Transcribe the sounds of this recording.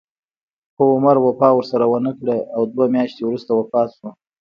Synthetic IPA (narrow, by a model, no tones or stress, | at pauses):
xəʊmaɾwapɑwəɾsaɾawənəkɽeawd̪wamjɑʃt̪ewɾust̪awapɑt̪ʃu